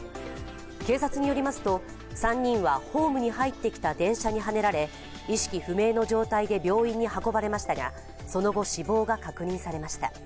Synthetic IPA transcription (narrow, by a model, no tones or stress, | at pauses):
ke̞ːsat͡sɨɲ̟ijo̞ɾʲimasɨ̥t̪o̞ | sãɲ̟ːĩɰ̃βaho̞ːmɯ̟ɲ̟ihait̪ːe̞kʲi̥t̪ad̪ẽ̞ɰ̃ɕaɲ̟iɦane̞ɾaɾe̞ | iɕi̥kʲiɸɯ̟me̞ːno̞ʑo̞ːt̪aid̪e̞bʲo̞ːĩɲ̟ːihako̞baɾe̞maɕi̥t̪aɡa̰ | so̞no̞ɡo̞ɕibo̞ːɡakakɯ̟ɲ̟ĩɰ̃saɾe̞maɕi̥t̪a̰